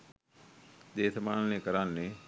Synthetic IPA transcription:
d̪eːt̪ʰmaːnneːkəɾaːnne

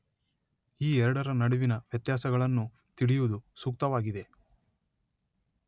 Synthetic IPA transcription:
iːɛɾɐɽɐɾɐnɐɽiʋinɐʋjɐt̪jaːsɐɡɐɭɐnːu | t̪iɽijuʋud̪usuk̚t̪ɐʋaːɡid̪e̞

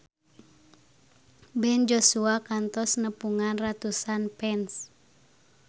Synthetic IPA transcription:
bɛnd͡ʒosuakant̪ɔsnəpuŋanrat̪usanpɛns

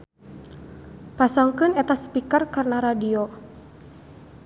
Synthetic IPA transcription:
pasaŋkɨnɛt̪aspikarkarnaɾadio

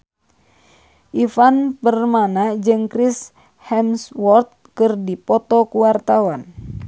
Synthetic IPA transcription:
ʔifanpərmanad͡ʒɨŋkɾis | hɛmswɔrt̪̚kɨrdipɔt̪ɔkuwart̪awan

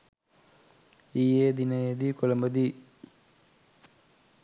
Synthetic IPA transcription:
iːeːd̪inɐed̪ikolɐmbɐd̪i

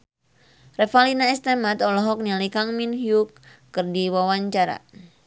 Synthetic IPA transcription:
rɛfalinaɛst̪emat̪ɔlɔɦɔk̚nalikaŋminhjukː | ɨrdiwawaɲt͡ʃaɾa̰

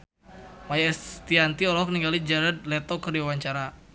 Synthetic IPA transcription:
majɛst̪iant̪iɔlɔɦɔk̚niŋɡalid͡ʒaɾad̪̚lɛt̪ɔkərdiwawaɲt͡ʃaɾa

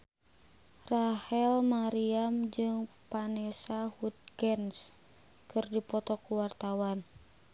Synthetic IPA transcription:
rahɛlmaɾiamd͡ʒɨŋ | panɛsahut̪̚ɡɛns | kɨrdipɔt̪ɔkuwart̪awan

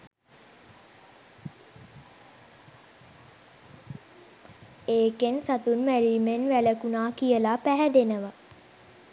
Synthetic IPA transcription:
eːkensat̪unmæɾiːmenʋæləkunaːkijəlapæɦɛd̪enəʋa

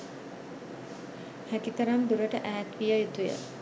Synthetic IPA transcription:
hækit̪əɾand̪uɾəʈəʔæːt̪ʋijəjut̪ujə̰

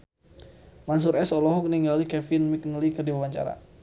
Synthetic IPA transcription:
mans̬uɾɛsɔlɔɦɔk̚niŋɡalikɛfɪnmik̚nəlikərdiwawaɲt͡ʃa̰ɾa̰

